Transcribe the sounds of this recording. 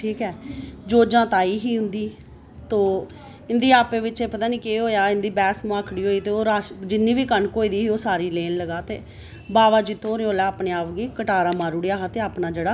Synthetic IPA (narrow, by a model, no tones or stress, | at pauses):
ʈʰiːkɛːd͡ʒoːd͡ʒãːt̪aːiːɦiːɦʊ̃nd̪iː | t̪oː | ɪnd̪iːaːpeːʋɪt͡ʃeːpət̪aːniːkeːɦoːjaːɪnd̪iːbɛːsmũːaːkʰɽiːɦoːiːt̪eːoːɾaːʃd͡ʒɪnːiːʋiːkənkoːiːd̪iːɦiːoːsaːɾiːleːnləɡaːt̪ḛː | baːʋaːd͡ʒit̪ʰoːɾẽːoːlɛːaːpneːaːʋɡeːkəʈaːɾaːmaːɾʊɽejaːɦaːt̪eːaːpnaːd͡ʒeːɽaː